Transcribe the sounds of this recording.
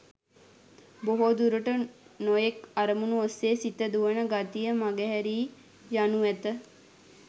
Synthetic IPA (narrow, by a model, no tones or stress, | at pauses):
boɦod̪uɾuʈənojekaɾəmunuosːeːsit̪əd̪uʋənəɡat̪ijəmaɡɛɦɛɾiː | januʋæt̪ə